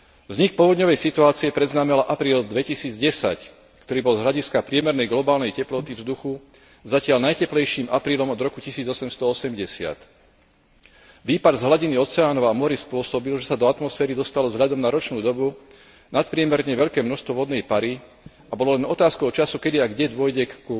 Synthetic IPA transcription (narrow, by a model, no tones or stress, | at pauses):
vzɲik̚pɔʋɔd̪ɲɔʋɛjsit̪uaːt͡siɛpɾɛd̪znaːmɛlaʔapɾiːld̪ʋɛcisiːd͡zɟɛsa̰c | kt̪ɔɾiːbɔlzɦlʎaɟiskapɾɪɛmɛɾnɛjɡlɔbaːlnɛjcɛplɔt̪ivzd̪uxu | zacɪalnajcɛplɛjʃiːmapɾiːlɔmɔd̪ɾɔkucisiːd͡zɔsɛmst̪ɔɔsɛmɟɛsɪa̰t̪ | ʋiːpad̪zɦlaɟiniɔt͡sɛaːnɔʋamɔɾispʊɔsɔbilʒɛsad̪ɔat̪mɔsfɛːɾid̪ɔst̪alɔvzɦʎad̪ɔmnaɾɔt͡ʃnuːd̪ɔbu | nat̪pɾɪɛmɛɾɲɛʋɛʎkɛːmnɔst̪ʋɔʋɔd̪nɛjpaɾi | abɔlɔlɛnɔt̪aːskɔʊt͡ʃasukɛd̪iaɡɟɛd̪ʊɔjɟɛku